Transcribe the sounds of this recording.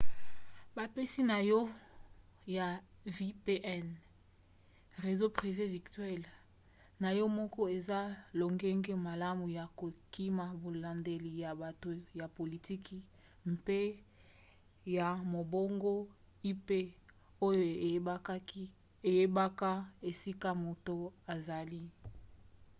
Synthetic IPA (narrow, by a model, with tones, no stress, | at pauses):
ba˨pe˦si˦na˨jɔ˦ | ja˨vi˦pe˦ʔɛ˦˨n | ʁe˨zo˦pʁi˨ve˦vi˨tɥɛ˦l | na˨jɔ˦mɔ˦kɔ˦e˨za˦lo˨ŋɡe˦ŋɡe˦ma˨la˦mu˨ja˨ko˨ki˦ma˨bo˨la˨nde˨li˨ja˨ba˨to˨ja˨po˨li˨ti˦ki˦ | mpe˦ | ja˨mo˨bo˦ŋɡo˦ | i˦pe˦ | o˦jo˨˦ | e˨je˦ba˦ka˦e˨si˦ka˦mo˨to˦a˨za˨li˦